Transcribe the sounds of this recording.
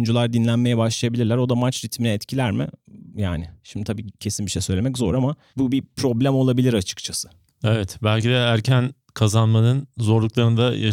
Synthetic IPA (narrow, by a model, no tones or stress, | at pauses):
nd͡ʒulˠaɾd̪inlʲænme̞jɛbaʃlˠajabilʲiɾlʲæɾo̞d̪amat͡ʃɾit̪minɛɛt̪cʰilʲæɾmɪ̰jaːnɪʃimd̪ɪt̪ʰabiːcʰe̞sinbiʃejsø̞jlʲemɛc̬zo̞̰ɾama | bubipʰɾo̞blʲæmo̞lˠabilʲiɾat͡ʃʰɯ̥kt͡ʃʰasɯ̥ | evɛt̪bælʲcid̪ɛæɾcʰæn | kʰazanmanɯnzo̞ɾlˠuklˠaɾɯnd̪aja